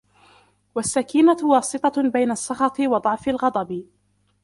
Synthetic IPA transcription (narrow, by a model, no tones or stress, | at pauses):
wasːakiːnawɑːsɨt̪ˤɑbajnaʔsˤːɑxɑt̪ˤɨwɑd̪ˤɑʕfalɣɑd̪ˤɑb